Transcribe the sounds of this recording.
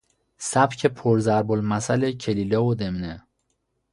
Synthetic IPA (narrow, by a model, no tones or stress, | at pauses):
sæbcʰepʰoɾzæɾbolmæsælecʰelilɒːod̪emne